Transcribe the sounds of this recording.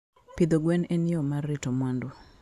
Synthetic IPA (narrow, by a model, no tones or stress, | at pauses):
pɪd̪oɡwɛnenɪɔmarːɪtomwandu